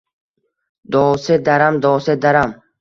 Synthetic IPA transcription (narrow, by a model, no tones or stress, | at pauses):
d̪ɔːsed̪aɾamd̪ɔsed̪aɾam